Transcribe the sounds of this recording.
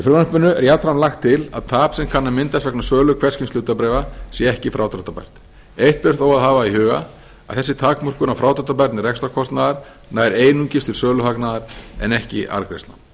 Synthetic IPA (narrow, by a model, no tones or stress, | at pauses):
ifɾʏmanpʏnːʏɛ̰ɾjat̪ɾanlaxt̪ʰːɪla̰ðt̪ʰaːpsɛmkʰanːamɪnt̪asvɛknasœːlʏkʰvɛ̥scɪmsluːt̪apɾɛjvasjɛɛhcɪfɾaːwt̪ʰɾɔht̪apa̰jɾ̥t̪ | ejht̪̚pɪr̥t̪owaðɦaːvaihʏːɣa̰ | a̰ðθɛsːɪt̪ʰaːkmɔr̥kʏnawfɾawt̪ʰɾɔt̪apaɾt̪nɪrɛkst̪ɔ̥kʰɔst̪naðaɾ̥ | naːjɾeːjnuɲcɪst̪ɪɾsœːlʏɦaknaðaɾ̥ɛ̰nɛhcɪ̰ʔa̰ɾkɾḛjst̪la̰n